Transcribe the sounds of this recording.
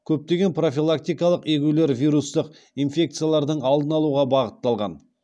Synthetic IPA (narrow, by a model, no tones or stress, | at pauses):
kʲʰɵp̚t̪e̞ɡʲe̞npro̞fʲilˠakt̪ijkɑlˠəqekʲule̞ɾvijɾust̪əq | ijnfʲe̞k̚t̪sɨjalˠɑɾd̪əɴɑlˠd̪ənɑlˠuʁɑbɑʁət̪ːɑlˠʁɑ̰n